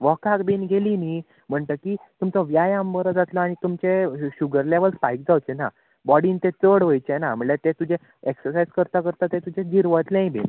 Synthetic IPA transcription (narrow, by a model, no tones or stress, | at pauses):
ʋɔkakbinɡʱeliniː | m̤əɳʈ̪əkit̪umt͡səʋjajãmbəɾəd͡zat̪laaɽ̃it̪umt͡ɕeɕuɡəɾleʋəlspajk̚d͡zawt͡ɕena | bɔɽiːnt̪et͡səɽʋəjt͡ɕenam̤əɭlet̪et̪ud͡ʑe | eksəɾsajd͡zkəɾt̪akəɾt̪at̪et̪ud͡ʑed͡ʑiɾʋət̪lãibḭn